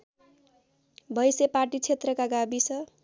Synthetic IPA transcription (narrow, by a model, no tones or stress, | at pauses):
bʱʌjsepaʈit͡sʰet̪rʌkaɡabisʰʌ